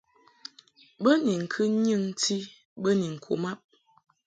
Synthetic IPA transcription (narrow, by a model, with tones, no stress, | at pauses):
bə˦ni˨ŋ̩˨kʰɨ˦ɲɨ˦˨ŋ˦ti˦ | bə˦ni˨ŋ̩˨kʰo̰˨ma˦p̚